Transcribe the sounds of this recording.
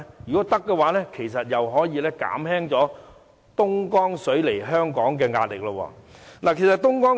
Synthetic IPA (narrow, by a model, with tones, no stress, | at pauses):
jyː˨˩kɔː˨˥t̪ɐ˥kːɛ˧waː˨˧˥lɛː˥kʰe˨˩js̬ɐ˨t̚jɐ˨wɦɔː˨˥jiː˨˧lɛː˥ka̰ː˨˥mhɛː˥ŋt͡sɔː˨˥ | t̪ʊ˥ŋkɔː˥ŋsɵ˨˥ɥle˨˩jɦœː˥ŋkɔː˨˥ŋkɛː˧ŋaː˧lɪ˨k̚lɐ˧wɔ̰ː˧˩laː˨˩kʰe˨˩jsɐ˨t̪̚ʊ˥ŋkɔː˥ŋ